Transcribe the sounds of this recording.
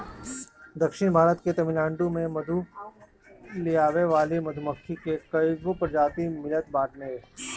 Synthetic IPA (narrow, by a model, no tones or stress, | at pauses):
d̪əkʃɪñbʱaːɾət̪ket̪ɐmɪlãːɳɖumẽmɐd̪ʱu | lijaːʋeʋaːlimɐd̪ʱʊməkt̪ʰikekɐiɡopəɾd͡ʒaːt̪imɪlət̪̚baːʈʰnẽɦ